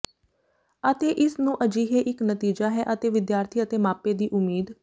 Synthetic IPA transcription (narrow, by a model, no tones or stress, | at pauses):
ət̪eːʔɪsnũːʔəd͡ʒiːɦeːʔɪknət̪iːd͡ʒaːɦɛːʔət̪eːʋɪd̪jaːɾt̪ʰiːət̪eːmaːpeːd̪iːʔʊmiːd̪